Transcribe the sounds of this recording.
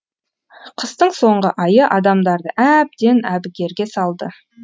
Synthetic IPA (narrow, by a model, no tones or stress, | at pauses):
qʰəst̪əɴso̞ɴʁəʔɑjəʔɑd̪ɑmd̪ɑɾd̪əʔæb̚d̪e̞næbɪɡʲe̞ɾɡʲe̞sɑlˠd̪ə